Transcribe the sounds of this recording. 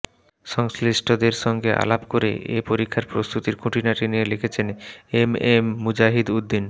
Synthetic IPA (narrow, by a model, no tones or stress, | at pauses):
ʃɔŋslisʈod̪eɾʃɔŋɡeʔa̰labkoɾḛʔepoɾikʰːaɾpɾost̪ut̪iɾkʰuʈʰinaʈinijelekʰet͡ɕʰenememːud͡ʑaɦid̪ud̪ːin